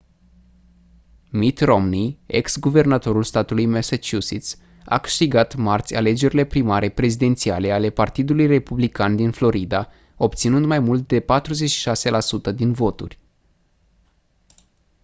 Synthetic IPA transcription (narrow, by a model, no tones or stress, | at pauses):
mit̪ro̞mnie̞̰ksɡuve̞rnat̪o̞ɾulst̪at̪ulujmesat͡ʃusit̪s | a̰kɨ̥ʃt̪iɡat̪mart̪sʲa̰le̞d͡ʒe̞ɾile̞pɾimaɾe̞pɾe̞zid̪e̞nt̪siale̞ale̞part̪id̪ulujre̞publikand̪inflo̞ɾid̪a | o̞pt̪sinɨnd̪majmult̪̚d̪e̞pat̪ɾuze̞t͡ʃʃi̥ʃase̞lasut̪əd̪invo̞t̪urʲ